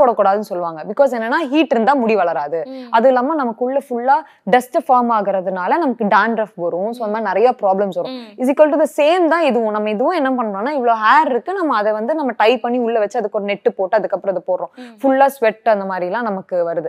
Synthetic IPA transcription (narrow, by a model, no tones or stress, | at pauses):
oːɽɐkːuːɽaːðɯnɯsɔlːʋaːŋɡɐbɪkːoːs̬ɛːnːɐnːaːɦiːʈːɪɾɯnd̪ãːmʊɽiʋɐɭɐɾaːðɯɐðɯlːaːmaːnɐmɐkːʊɭːɐfʊɭːaː | ɖɐsʈfaːɾmaːɣɪɾɐðɯnaːlɐnɐmɐkːɯɖaːnɖɾɐfʋɐɾʊ̃soːɐnɐmaːnɪɾɐjaːpɾaːblɐmsʋɐɾʊ̃ɪsɪkoːlʈuðɐseːmt̪ãːɪðɯʋʊ̃nɐmːɐɪðɯʋʊ̃ɛnːɐpɐɳːɯɾõːnːaːɪʋːɐɭoːɦaːɾɪɾɯkːɯnɐmːɐːðɛʋɐnd̪ɯnɐmːɐʈɐɪpɐɳːiʊɭːɐʋɐt͡ʃːɯɐðɯkːɔɾɐnɛʈːɯpoːʈːɯɐðɯkːɐpːɾɔ̃ɐðɯpoːɽɾʊ̃fʊlːaːsʋɛʈːɐnd̪ɐmaːd̪ɾɪlãːnɐmɐkːɯʋɐɾɯðɯ